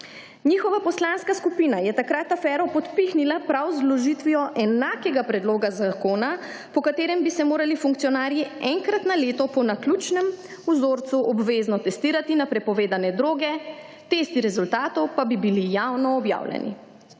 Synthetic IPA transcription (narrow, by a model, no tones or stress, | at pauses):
niːxɔʋapɔslanskaskupiːnajɛt̪akɾaːt̪afɛːɾɔpɔt̪pixnilapɾawzlɔʒiːt̪ʋijɔʔɛnaːkɛɡapɾɛd̪loːɡazakoːna | pɔkat̪eːɾɛmbisɛmoːɾalifuŋk̚t̪siɔnaːɾjiɛŋkɾat̪naleːt̪ɔpɔnakluːt͡ʃnɛmuzoːɾt̪suʔɔbʋeːznɔt̪ɛst̪iːɾat̪inapɾɛpɔʋeːd̪anɛd̪ɾoːɡɛ | t̪est̪iɾɛzult̪aːt̪ɔwpabibilijawnɔːbja̰ːwljɛ̰nḭ